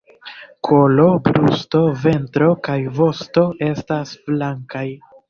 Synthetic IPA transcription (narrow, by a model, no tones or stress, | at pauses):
kʰo̞lo̞bɾusto̞ve̞ntɾo̞kajvo̞sto̞ʔe̞stasflaŋkaj